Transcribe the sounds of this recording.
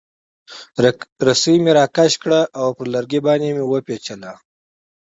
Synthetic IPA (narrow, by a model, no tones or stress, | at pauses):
ɾasimeɾɑːkaʃkɽaʔawpəɾlaɾɡibɑːnemewəpet͡ʃala